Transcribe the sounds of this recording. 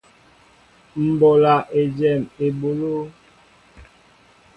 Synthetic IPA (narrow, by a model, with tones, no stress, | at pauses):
m̩˨bɔ˨la˨ʔe˨d͡ʒɛ˨me˨ɓo˨lo˦